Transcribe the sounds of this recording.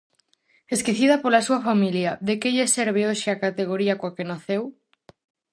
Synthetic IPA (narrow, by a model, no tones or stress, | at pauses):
eskiθiðapolasuafamiljaðekeʎeseɾβ̞eoʃɪakat̪eɣ̞oɾiakwakenaθew